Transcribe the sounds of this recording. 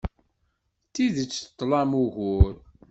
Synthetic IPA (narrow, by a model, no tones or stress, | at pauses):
t̪ːiðət͡sːt̪ˤːlɑmuʝʊɾ